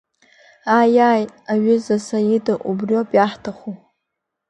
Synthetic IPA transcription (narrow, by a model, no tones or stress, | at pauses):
ajajaɥʏzasajidaʔubrjopʼjaħtʰaχu